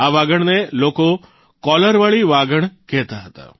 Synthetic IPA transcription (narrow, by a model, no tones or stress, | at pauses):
aʋaɡəɳneloko | kɔləɾʋaɭiʋaɡəɳkɛɦt̪aɦət̪a̰